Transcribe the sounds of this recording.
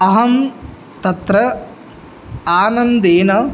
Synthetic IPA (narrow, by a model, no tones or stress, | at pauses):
ɐɦɐm | t̪ɐt̪ɾɐ | aːnɐnd̪eːnɐ